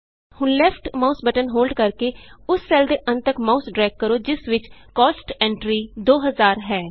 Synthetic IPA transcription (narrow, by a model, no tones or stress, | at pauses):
hʊnlɛːpʰʈmaːusbəʈənɦoːlɖkəɾkeːʊsːɛːld̪eːʔənt̪əkmaːusɖɾɛːkkːəɾoːd͡ʒɪsʋɪt͡ʃkɔːsʈɛ̃ːɳʈɾiːd̪oːɦəzaːɾɦɛː